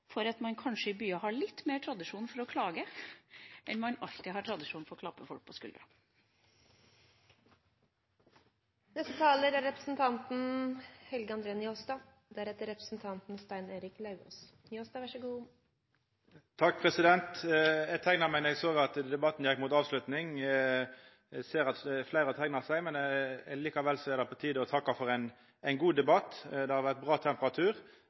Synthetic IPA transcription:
fɔɾɑt̪mɑnkʰɑnʂəɪbyːɑɦɑɭɪt̪ːmeːʈʰɾɑd̪ɪʂuːnfɔɾɔkʰlɑːɡə | ʔɛnmɑnɑ̰lt̪ɪɦɑʈʰɾɑd̪ɪʂuːnfɔɾɔkʰlɑpːəfɔlk̚pʰɔskʉ̰ld̪ɾɑ | nɛsət̪ʰɑːləɾæɾɛpɾəsn̩t̪ʰɑnt̪n̩hɛlɡəɑnd̪ɾeːənjoːst̪ɑ | d̪æɾɛt̪ːəɾɛpɾəsn̩t̪ʰɑnt̪nst̪æɪneːɾɪklɑʉo̰ːs | joːst̪ɑʋæʂəɡuː | t̪ʰɑkːpʰʁɛsɪd̪ɛnt̪ɛɡt̪ʰæɪnɑʁmɛɪn̩ɛɡsoːɡɑt̪d̪ɛbɑt̪ːn̩jɛkːmʊt̪ɑːʋslʉt̪nɪŋ | seːʁɑt̪flæɪɾət̪ʰæɪnɑʁsæɪmɛnɛliːkɑʋɛlːsɔɛd̪ɛpʰɔt̪ʰiːd̪əɔt̪ʰɑkːɑfɔʁæɪn | æɪnɡuːd̪ɛbɑt̪ːd̪ɛhɑɾʋæʁt̪̚bʁɑːt̪ʰɛmpəʁɑt̪ʰʉːʁ

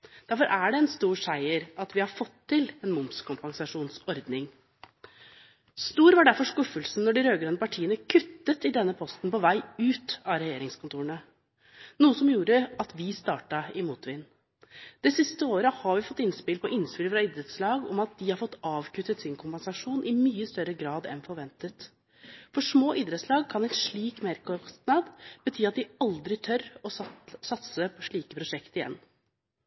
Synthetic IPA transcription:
d̪̥æɾfɔɾʔæɖɛɛnst̪uːɾʂæɪəɾɑt̪ʋɪhɑɾfɔt̪ʰːɪlɛnmʊmskʰʊmpɑŋsɑʂuːnsɔɾd̪nɪŋ | st̪uːɾʋɑɖæɾfɔʂkʉfːəlsn̩ːɔɖɪɾøːɡɾɑnəpɑʈʰiːənəkʰʉt̪ːət̪ɪd̪ɛnːəpʰɔst̪n̩pɔʋæɪʉːt̪ɑːɾɛjeːɾɪŋskʊnt̪ʰuːɾəɳə | nuːəsɔmjuːɾəɑt̪ʋɪst̪ɑːʈɑɪmuːt̪ʋɪnː | d̪̥ɛsɪst̪əoːɾəhɑɾʋɪfɔt̪ːɪnspɪlpʰɔʔɪnspɪləfɾɑɪːd̪ɾət̪slɑːɡɔmɑt̪̚d̪ɪhɑɾfɔt̪ːɑːʋkʰʉt̪ːət̪sɪŋkʰʊmpɛnsɑʂuːnʔɪmyːəst̪œɾəɡɾɑːd̪ɛ̰nfɔɾʋɛnt̪ət̪ | fɔʂmoːʔɪːd̪ɾət̪slɑːɡ̚kʰɑnæɛɪnʂɭiːkmeɾkʰɔst̪nɑd̪b̥ət̪ʰyːɑt̪̚d̪ɪɑld̪ɾɪt̪ʰœɾɔsɑt̪səpʰɔʂɭiːkəpʰɾʊʂɛkt̪ɪjɛ̰nː

